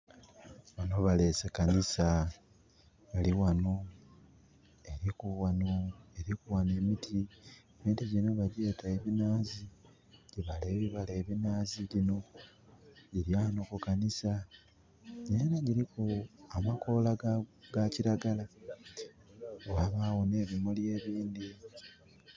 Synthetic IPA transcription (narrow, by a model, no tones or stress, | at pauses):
βanoβale̞sekanisa | βaliwano | eɾikuwanoe̞ɾikuwane̞mitʰieβiːntiɟino̞βaɾe̞ːtaeβinaːzi | ɟiβale̞ːβiβaleːβinaːziɟino̞ | ɟiɾjanokukanisa | ɟejenaɟiɾikuamako̞laɡaciɾaɡala | owaβaːwone̞βimolje̞ːβiːndi